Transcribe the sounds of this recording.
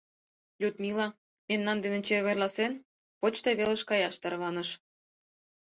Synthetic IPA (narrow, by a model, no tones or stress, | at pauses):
lʲut̪mʲilɑ | memnɑnd̪enĕt͡ɕerβerlɑsen | pot͡ɕt̪ɤβelə̆ʃkɑjɑʃt̪ɑrβɑnə̆ʃ